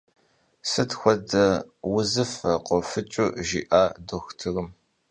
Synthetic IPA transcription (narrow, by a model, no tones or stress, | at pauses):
sɨtxʷɔdɐwʊzɨfɐqʷɔfɨt͡ʃʼuʒḭːʔaːdoxʷtʰɨrɨm